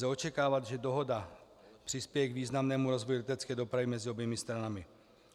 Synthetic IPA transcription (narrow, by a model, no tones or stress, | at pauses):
ɛo̞t͡ʃɛkaːvat̪ʒɛdo̞ɦo̞da | pr̥ɪspjɛjɛɡviːznamnɛːmuɾo̞zvojulɛt̪ɛt͡skɛːdo̞pɾavɪmɛzɪobjɛmɪst̪ɾanamɪ